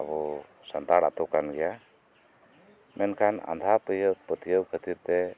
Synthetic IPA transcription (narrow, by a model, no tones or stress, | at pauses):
a̰bɔ | sənt̪aɽa̰t̪ɔkanɡɛja | mʔɛnkʰana̰nd̪ʱapjəpɾət̪ijəwkʰət̪iɾt̪ɛ